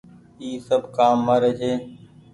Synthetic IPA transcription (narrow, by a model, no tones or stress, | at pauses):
iːsəbʱkaːmːəɾeːd͡ʒeː